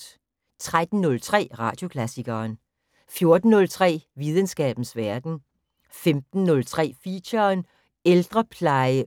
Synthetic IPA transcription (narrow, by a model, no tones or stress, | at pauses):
t͡sʰʁad̥n̩ːɔ̽lt͡sʰʁɛ̰ːʁɑ̰̈d̥jo̝kʰlæsiɡ̥ɐːn | fjo̝ɐd̥n̩nɔ̽lt͡sʰʁɛ̰ːʋið̞ˠənsɡ̥ɛ̰ːb̥n̩sʋæɐd̥n̩ | femd̥n̩ːɔ̽lt͡sʰʁɛ̰ːfḭɕɐːn | eld̥ʁɐpʰlɑ̈ɪə